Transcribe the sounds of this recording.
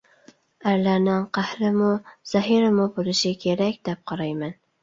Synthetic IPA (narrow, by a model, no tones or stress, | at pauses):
aɾlaɾnɪŋqʰahɾɪmʊz̥aɦɪɾɪmʊbʊlɪʃɪkʲʰeɾakʲd̪̥ɛp̚qʰɑɾajman